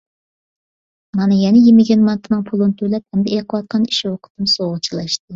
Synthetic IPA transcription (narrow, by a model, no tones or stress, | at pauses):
mɑnɨjɛnɛjemɪɡʲɛnmɑnt̪ʰɨnɨŋpʰulˠɨnɨt̪ʰølɛp̚hɛmd̪ɛeqʰəwɑt̪̚qʰɑni̥ʃiwoqʰɨ̥t̪ɨmsoʁət͡ʃʰilˠɑʃt̪ɨ